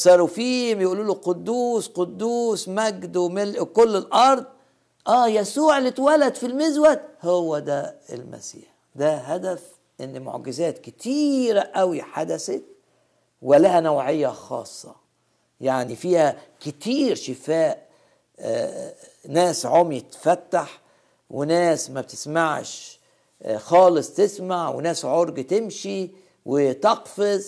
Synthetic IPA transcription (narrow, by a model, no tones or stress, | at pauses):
sˤɑɾˤfiːmjʔuluːluqod̪ːuːsqod̪ːuːsmæɡd̪wmelʔkolːelʔɑɾˤd̪̚ˤ | ʔæːjæsuːʕelːit̪wælæd̪filmɪzwæt̪howːæd̪æḛlmæ̰sḭːħd̪æɦæd̪æf | ʔɪnːmo̰ʕɡɪzæːt̪kɪt̪ʰiːɾæʔæwiħad̪æsæt̪ | wɪlæhænæwʕejːæxɑ̰ːsˤːɑ̰ | jaʕnifiːhækɪt̪iːɾʃɪfæːʔ | næːsʕomjet̪fæt̪ːaħ | wenæːsmæb̚t̪ɪ̥smaʕʃ | xɑːlɨsˤt̪ɪsmaʕwḛnæːsʕoɾɡt̪emʃi | wet̪ɑqfez